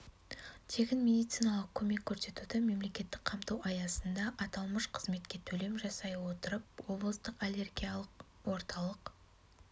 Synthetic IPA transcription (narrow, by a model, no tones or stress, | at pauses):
t̪ʰe̞ɡʲɪnmʲe̞d̪ijt̪sɨjnɑlˠəq̚kʲʰɵme̞kʲʰːɵɾse̞t̪ud̪ɪme̞mle̞kʲe̞t̪ːɪk̚qʰɑmt̪uwɑjɑsənd̪ɑʔɑt̪ɑlˠməʃqʰə̥zme̞t̪kʲe̞t̪ʰɵle̞mʒɑsɑjwo̞t̪əɾəp̚wo̞blˠəst̪əqalʲe̞rɡʲijalˠəq | wo̞ɾt̪ɑlˠəq